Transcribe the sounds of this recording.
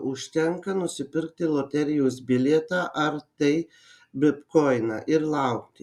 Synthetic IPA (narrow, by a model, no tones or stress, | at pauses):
ʊʃʲt̪ʲɛŋkɐnʊsʲɪpʲɪɾk̚t̪ʲɪlˠoːt̪ʲɛɾʲɪjoːsbʲɪlʲeɛt̪ɑːʔɐɾt̪ɐɪ | bʲɪpkoɪnɑ̰ʔɪɾlˠɐʊkt̪ʲɪ